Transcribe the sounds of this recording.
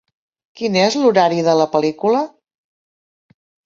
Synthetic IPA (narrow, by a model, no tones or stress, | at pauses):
kinezluɾaɾiðələpəlikulə